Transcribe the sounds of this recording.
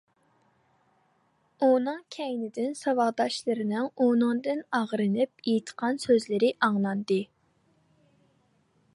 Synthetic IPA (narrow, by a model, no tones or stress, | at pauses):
unɨŋkʲʰɛjnɪd̪ɪnsɑwɑʁd̪ɑʃlˠɨɾɪnɪŋonɨŋd̪ɨnɑʁɾɨnɨp̚ejit̪ʰqʰɑnsøzlɪɾɪʔɑŋlˠɑnd̪ɨ